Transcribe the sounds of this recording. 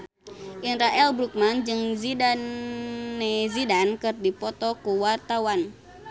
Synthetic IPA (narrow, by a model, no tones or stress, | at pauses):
ʔinɾaʔɛlbɾuk̚mand͡ʒɨŋzidanː | ezidankɨrdipɔt̪ɔkuwart̪awan